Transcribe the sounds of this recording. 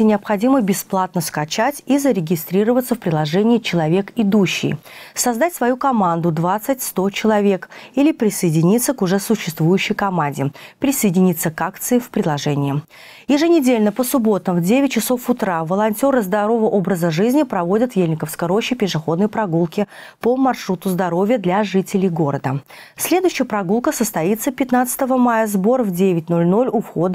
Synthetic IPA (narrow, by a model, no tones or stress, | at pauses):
ɪnʲɪɐpxɐdʲiməbʲɪsplˠat̪nəskɐt͡ɕatʲizəɾʲɪɡʲɪst̪ɾʲiɾəvət̪səfpɾʲɪlˠɐʐɛnʲɪːt͡ɕɪlˠɐvʲekɪd̪uɕːɪ̰jsɐzd̪atʲsvɐjukɐmand̪ʊd̪vat̪sɨtʲst̪o̞t͡ɕɪlˠɐvʲe̞kilʲɪpɾʲɪsəjɪdʲɪnʲit̪səkʊʐɛsʊɕːɪst̪vujʉɕːɪjkɐmanʲdʲɪpɾʲɪsəjɪdʲɪnʲit̪sːəkakt̪sɨɪfpɾʲɪdlˠɐʐɛnʲɪɪ | jɪʐɨnʲɪdʲelʲnəpəsʊbo̞t̪əmvdʲevʲɪt̚ʲt͡ɕɪso̞fʊt̪ɾavəlˠɐnʲtʲo̞ɾɨzd̪ɐɾo̞vəʔo̞bɾəzəʐɨzʲnʲɪpɾɐvo̞dʲət̪jelʲnʲɪkəfskəjɾo̞ɕːɪpʲɪʂɨxo̞d̪nəjpɾɐɡulˠkʲɪ | pəmɐrʂɾut̪ʊzd̪ɐɾo̞vʲjəd̪lʲaʐɨtʲɪlʲɪjɡo̞ɾəd̪ə | sʲlʲe̞d̪ʊjɕːɪjəpɾɐɡulˠkəsəst̪ɐit̪səpʲɪt̪nat̪sɨ̥t̪əvəmajəzbo̞rvdʲevʲɪtʲno̞lʲno̞lʲʊfxo̞d̪